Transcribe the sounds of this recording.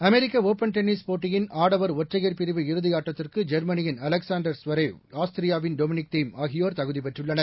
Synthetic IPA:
ɐmɛɾɪkːɐoːpɐnʈ̪ɛnɪspoːʈːɪjɪnʔaːɽɐʋɐɾɔʈrɐɣɐɾpɪɾɪʋɯɪɾɯðɪjaːʈrɐt̪ːɪrkɯd͡ʒɐɾmɐnɪjɪnɐlɛksaːnɖɐɾsʋɐɾɐɪaːst̪ɪɾɪjaːʋɪnɖɔmɪnɪk̚t̪iːmaːɣɪjoːɾt̪ɐɣɯðipɛʈrɯɭːɐnɐɾ

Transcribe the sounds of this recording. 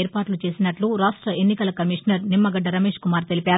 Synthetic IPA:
eːɾpaːʈlut͡ʃe̞ːsinɐʈluɾaːʂʈɾɐenːikɐlɐkɐmiʂɐnɐɾnimːɐɡɐɖːɐɾɐme̞ːʂkumaːɾt̪e̞lipʲaːɾ

